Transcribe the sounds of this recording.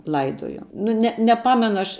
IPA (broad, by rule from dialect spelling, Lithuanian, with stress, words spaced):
ˈlˠɐɪdoːjoː nʊ ˈnʲɛ nʲɛˈpɑːmʲɛnʊ ˈɐʃ